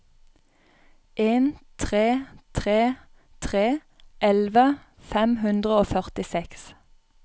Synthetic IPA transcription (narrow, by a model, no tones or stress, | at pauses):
ʔeːnt̪ʰʁeːt̪ʰʁeː | t̪ʰʁeː | ʔɛlʋə | fɛmhʉnd̪ʁəoːfœʁt̪ɪsɛks